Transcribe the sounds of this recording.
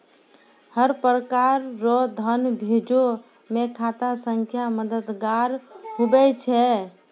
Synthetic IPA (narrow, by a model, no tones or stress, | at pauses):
həɾpɾəkaɾːɔd̪ʱənbʱed͡ʒo | mekʰat̪asəŋkʰjaməd̪əd̪ɡaɾɦubɛt͡ʃʰɛ